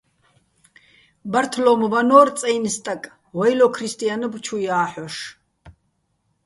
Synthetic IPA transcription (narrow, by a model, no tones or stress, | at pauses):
baɾt̪ʰlɔmvanɔːɾt̪t͡sʼɛjnst̪ʼakʼ | wajlɔkʰɾist̪ʼijanəbt͡ʃʰujaːħɔʃ